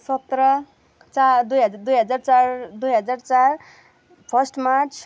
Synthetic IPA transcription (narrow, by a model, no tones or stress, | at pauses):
sʌt̪ɾʌ | t͡sad̪ujɦʌd͡zd̪ujɦʌd͡zart͡sard̪ujɦʌd͡zart͡sar | pʰʌsʈmat͡sʰ